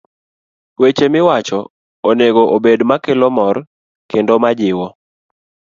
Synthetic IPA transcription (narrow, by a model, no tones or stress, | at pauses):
wet͡ʃemɪwat͡ʃɔ | oneɡoʔobedmakelɔmɔr | kendomad͡ʒɪwɔ